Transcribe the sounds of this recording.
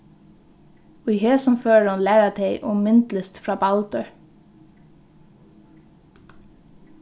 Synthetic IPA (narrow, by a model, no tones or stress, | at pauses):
ʊheːsɔmføːɹɑnlæːɹat̪ʰeɪʔʊmɪnt̪ləst̪fɹɑːbɑlt̪əɹ